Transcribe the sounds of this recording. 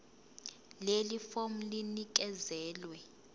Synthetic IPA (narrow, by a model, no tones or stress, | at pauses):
lelifom̩linik̬ʼɛzɛːlwɛ